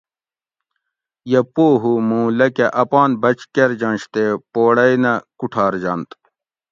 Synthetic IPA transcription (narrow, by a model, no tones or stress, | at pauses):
jepoːɦumũːlɐkeʔɐpaːnbɐt͡ɕkeɾd͡ʑãːnɕt̪epoːɽɐinɐkuʈʰaːɾd͡ʑant̪